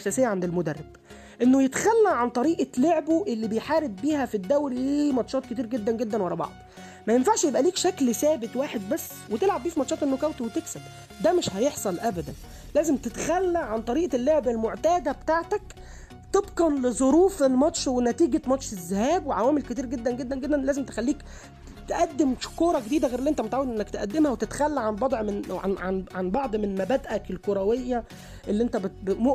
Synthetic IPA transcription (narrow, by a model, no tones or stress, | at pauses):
ʔæsæːsejːæʕand̪elmod̪ærˤːeb̥ | ʔenːojet̪xælːæʕant̪ˤɑɾiːʔɑloʕboʔelːiːbejħaːɾeb̪̚biːhæfid̪ːæwɾliːmɑt̪ʃɑːt̪̚ket̪iːɾɡed̪ːænɡed̪ːænwɑɾˤɑbɑ̰ʕd̪̥ˤ | mæjenfaʕʃjebʔæliːkʃæklsæːbet̪waːħed̪̚bæsː | wet̪elʕabbiːfimɑt̪ʃɑːt̪ʔenːokæwt̪wet̪eksæb | d̪æmeʃhæjeħsˤɑlʔæbæd̪æn | læːzemt̪et̪xælːæʕant̪ˤɑɾiːʔɑlːoʕbælmoʕt̪æːd̪æbet̪aːʕt̪æk | t̪ebqɑnlezˤoɾuːfelmɑt̪ʃwenæt̪iːɡæmɑtʃezːehæːbweʕawæːmelket̪iːɾɡed̪ːænɡed̪ːænɡed̪ːænlæːzemt̪e̥xælːiːk | t̪eʔæd̪ːemʃkoːɾˤɑɡed̪iːd̪æɣeːɾeliʔent̪æmet̪ʕawed̪ʔenːækt̪ʔæd̪ːemhæwet̪et̪xælːæʕanbɑd̪ˤʕmenʕaʕa̰nʕanbɑʕd̪ˤmenemæbæd̪ʔækelkoɾˤæwejːæ | ʔelːiʔent̪æbbmo